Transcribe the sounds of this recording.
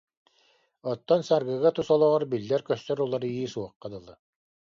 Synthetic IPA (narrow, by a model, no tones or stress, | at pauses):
ɔt̪ːɔnsaɾɡɯɣat̪usɔlˠɔʁɔɾbilːɛɾkœst̪œɾulˠaɾɯjiːsuɔqːad̪ɯlˠɯ